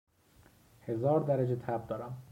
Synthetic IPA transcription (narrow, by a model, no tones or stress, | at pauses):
hezɒːɾd̪æɾæd͡ʒet̪ʰæb̚d̪ɒːɾæm